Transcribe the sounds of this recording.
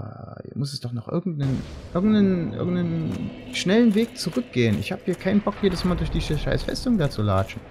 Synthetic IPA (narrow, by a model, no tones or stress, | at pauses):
mʊsɛsd̥ɔχnɔχʔɪ̰ɐɡŋ̩tnənʔɪɐɡŋ̩tnənʔɪ̰ɐɡŋ̩tnənʃnɛlənveːk̚t͡suʁʏk̚ɡ̥eːənɪ̰çhaːbə̥hiːɐkʰaɪnənbɔkjeːdəsmaːldʊɐçd̥iːzəʃa̰ɪsfɛ̰stʊŋviːɐt͡sula̰ːt͡ʃn̩